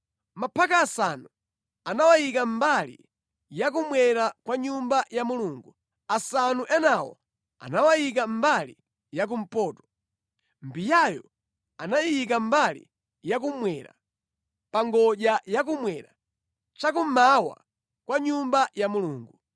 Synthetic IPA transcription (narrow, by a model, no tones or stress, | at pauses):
mapʰakaːsanu | anawajik̬am̩balḭ | jakumwɛɾakwaɲumbajamuluːŋɡu | asanuʔɛnawɔ̰ | a̰nawajik̬am̩balḭ | jakum̩pɔːtɔ̥ | mbijajɔ | anajik̬ambalḭ | jak̬umwɛɾa̰ | paŋɡɔʄajak̬umwɛɾa̰ | t͡ʃakumawa̰ | kwaɲumbajamuluːŋɡu